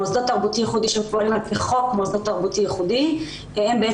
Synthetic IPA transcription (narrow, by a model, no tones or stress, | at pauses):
ozd̪at̪ːaʁbut̪ijeχud̪iʃepoʁilanpeχokmozd̪at̪aʁbut̪ijeχud̪i | embee